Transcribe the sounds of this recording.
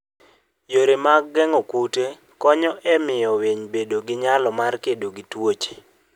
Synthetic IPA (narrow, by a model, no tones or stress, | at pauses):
joɾemaɡɛŋɔkute | kɔɲɔʔɛmɪjɔweɲbedoɡɪɲalɔmarkedoɡitwot͡ʃe̥